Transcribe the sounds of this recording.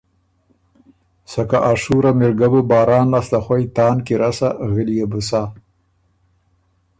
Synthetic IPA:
sakaʔaʂuɾamɪɾɡabubɑːɾɑːnlaslaxwajt̪ɑːnkiɾasaɣəlijabusa

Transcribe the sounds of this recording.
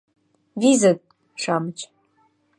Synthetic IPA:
vizatʼ | ʂʰamt͡ʃʷʰ

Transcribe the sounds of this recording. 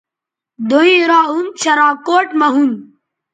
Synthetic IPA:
d̪oĩːɾaːunt͡ɕʰɐɾãːkoːʈmɐɦun

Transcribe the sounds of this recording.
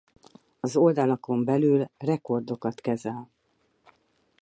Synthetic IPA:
ɒzo̞ld̪ɒlɒko̞mbɛlylrɛko̞rd̪o̞kɒt̪kɛzɛl

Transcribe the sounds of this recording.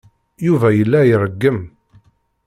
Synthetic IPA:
juvæjəlːæjərˤːəɡːəm

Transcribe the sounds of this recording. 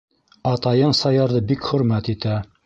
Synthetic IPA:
ɑt̪ɑjɤɴsɑjɑɾðɤbikχɵ̆ɾmæt̪it̪æ

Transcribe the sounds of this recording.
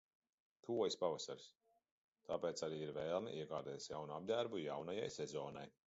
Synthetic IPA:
t̪ʰuɔjispavasa̰ɾs | t̪aːpeːt̪saɾiːiɾvɛːlˠnḭʔiɛɡaːɾd̪ɛːjsjawnuab̚d̪æɾbujawnaja̰jsɛzɔːna̰j

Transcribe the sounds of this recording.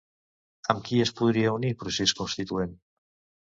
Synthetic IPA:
amkiespuðɾiaunipɾuseskonst̪it̪uen

